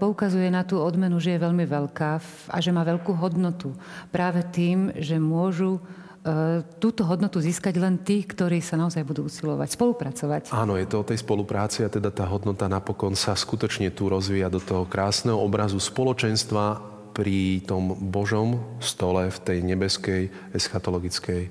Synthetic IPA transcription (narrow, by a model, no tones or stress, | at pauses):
pɔukazujɛnat̪uːɔd̪mɛnuʒɛjɛʋɛʎmiʋɛʎkaː | a̰ʒɛmaːʋɛʎkuːɦɔd̪nɔt̪upɾaːʋɛt̪iːmʒɛmʊɔʒu | t̪uːt̪ɔɦɔd̪nɔt̪uziːskaɟlɛnt̪iːkt̪ɔɾiːsanaɔzajbud̪uːusilɔʋa̰cspɔlupɾat͡sɔʋacaːnɔjɛt̪ɔɔt̪ɛjspɔlupɾaːt͡siat̪ɛd̪at̪aːɦɔd̪nɔt̪anapɔkɔnsaskut̪ɔt͡ʃɲɛt̪uɾɔzʋiːjad̪ɔt̪ɔɦɔkɾaːsnɛɦɔɔbɾazuspɔlɔt͡ʃɛnst̪ʋa | pɾit̪ɔmbɔʒɔmst̪ɔlɛft̪ɛjɲɛbɛskɛj | ɛsxat̪ɔlɔɡit͡skɛj